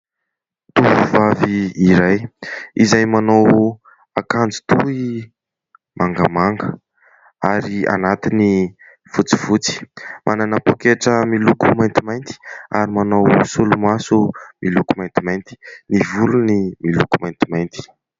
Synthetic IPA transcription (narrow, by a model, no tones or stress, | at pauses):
t̪uvuvaviːɾajizajmanow | akand͡zi̥t̪ui | mʔaŋɡəmaŋɡə | aɾia̰nat̪ini | fut͡si̥vut͡si̥mʔananəpokeʈ͡ʂəmilukumajnt̪imajnt̪i̥aɾimanowsulumasumilukumajnt̪imajnt̪i̥nivulunimilukumajnt̪imajnt̪i̥